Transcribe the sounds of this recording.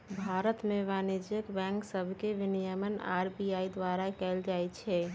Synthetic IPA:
bʱaːɾət̪mẽʋaːned͡ʒjəkbɛ̃ːŋksəbʱkeʋɪnijəməna̰ːɾbijaːid̪waːɾakɛld͡ʒaːɛt͡ʃʰɛ

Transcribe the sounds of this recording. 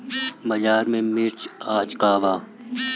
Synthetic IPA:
mɐd͡ʒaːɾmẽmiɾt͡ʃaːt͡ʃkaːʋaː

